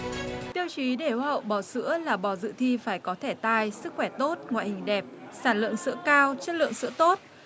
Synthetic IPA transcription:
t̪i˧əwt͡ɕi˨˦ɗe˧˩hu˨˧˩hə̰˧˨wɓɔ˧˩sɨ̰˧˥əlaː˨˩ɓɔ˧˩zɨ̰˧˨t̪ʰi˧faː˧˩jkɔ˨˦t̪ʰe˧˩t̪aː˧jsɨ˦˥k̚xwɛ˧˩t̪o˦˥t̚ŋwa̰ː˧˨jhï˨˩ŋ̟ɗɛ˨˩p̚saː˧˩nlɨ̰˧˨əŋsɨ̰˧˥əkaː˧wt͡ɕɨ˦˥t̚lɨ̰˧˨əŋsɨ̰˧˥ət̪o˦˥t̚

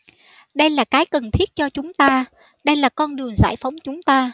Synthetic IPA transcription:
ɗə˧jlaː˨˩kaː˨˦jkə˨˩nt̪ʰi˦˥ət̚t͡ɕɔ˧t͡ɕʊ˨˦ŋ͡mt̪aː˧ | ɗə˧jlaː˨˩kɔ˧nɗɨ˨˩əŋza̰ː˧˩jfa˨˦wŋ͡mt͡ɕʊ˨˦ŋ͡mt̪aː˧

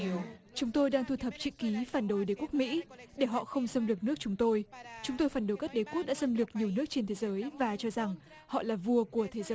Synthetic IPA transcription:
t͡ɕʊ˨˦ŋ͡mt̪o˧jɗaː˧ŋt̪ʰu˧t̪ʰə˨˩p̚t͡ɕḭ˧˨ki˨˦faː˧˩nɗo˨˦jɗe˨˧˦ku˦˥ək̚mḭ˧˥ɗe˧˩ɦɔ̰˧˨xə˧wŋ͡msə˧mlɨ˨˩k̚nɨ˦˥ək̚t͡ɕʊ˨˦ŋ͡mt̪o˧jt͡ɕʊ˨˦ŋ͡mt̪o˧jfaː˧˩nɗo˨˦jka˦˥k̚ɗe˨˦ku˦˥ək̚ɗa̰ː˧˥sə˧mlɨ˨˩ək̚ɲi˨˩əwnɨ˦˥ək̚t͡ɕe˧nt̪ʰe˨˦zəː˨˦jvaː˨˩t͡ɕɔ˧za˨˩ŋ | hɔ̰˧˨laː˨˩vu˧əku˧˩ət̪ʰe˨˦zəː˨˦j

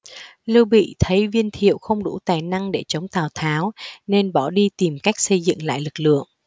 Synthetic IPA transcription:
lɨ˧wɓḭ˧˨t̪ʰə˨˦jvi˧ənt̪ʰḭ˧˨əwxə˧wŋ͡mɗṵ˧˩t̪aː˨˩jna˧ŋɗe˧˩t͡ɕə˨˦wŋ͡mt̪aː˨˩wt̪ʰaː˨˦wne˧nɓɔ˧˩ɗi˧t̪i˨˩mka˦˥jk̟̚sə˧jzɨ̰˧˨ŋla̰ː˧˨jlɨ˨˩k̚lɨ̰˧˨əŋ

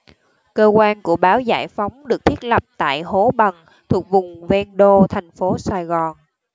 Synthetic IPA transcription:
kəː˧kwaː˧nku˧˩əɓaː˨˦wza̰ː˧˩jfa˨˦wŋ͡mɗɨ˨ək̚t̪ʰi˦˥t̚lə˨˩p̚t̪a̰ː˧˨jɦo˨˦ɓə˨˩n | t̪ʰu˨˩ək̚vʊ˨˩ŋ͡mvɛ˧nɗo˧t̪ʰɛ˨˩jŋ̟fo˨˦saː˧˩jɣɔ˨˩n

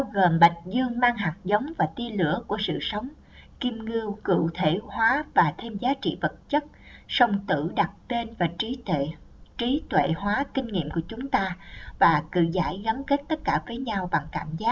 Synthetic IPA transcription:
ɓaː˧wɣo˨˩mɓa˨˩jŋ̟̚zɨ˧əŋmaː˧ŋɦa˨˩k̚zə˨˦wŋ͡mvaː˨˩t̪i˧əlɨ˧˥əku˧˩əsɨ̰˧˨sə˨˦wŋ͡m | ki˧mŋɨ˧əwkɨ̰˧˨t̪ʰe˧˩hwaː˨˦vaː˨˩t̪ʰe˧mzaː˨˦t͡ɕḭ˧˨və˨˩t̚t͡ɕə˦˥t̚ | sə˧wŋ͡mt̪ɨ̰˧˩˨ɗa˨˩t̚t̪e˧nvaː˨˩˦ | t͡ɕi˨˦t̪wḛ˧˨hwaː˨˦kï˧ŋ̟ŋḭ˧˨əmku˧˩ət͡ɕʊ˨˦ŋ͡mt̪aː˧vaː˨˩kɨ̰˧˨zaː˧˩jɣə˨˦mke˦˥t̚t̪ə˦˥t̚kaː˧˩vəː˨˦jɲa˧wɓa˨˩ŋka̰ː˧˨mzaː˦˥

